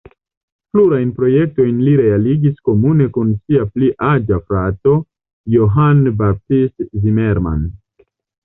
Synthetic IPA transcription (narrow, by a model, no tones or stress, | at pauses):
pluɾajnpɾo̞je̞k̚to̞jnliɾe̞aliɡisko̞mune̞kunsiapliʔad͡ʒafɾato̞ | joɦanbap̚tistzimeɾma̰n